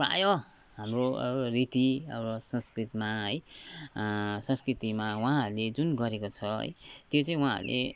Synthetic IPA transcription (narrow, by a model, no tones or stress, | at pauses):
pa̰jo | ɦamrorit̪iʌ̰wɾʌsʌ̃nskrit̪maɦʌj | sʌ̃nskrit̪imawaɦãɾuled͡zunɡʌɾekot͡sʰʌɦʌ̰jt̪jot͡sãĩwãɦã̰ɾlʔḛ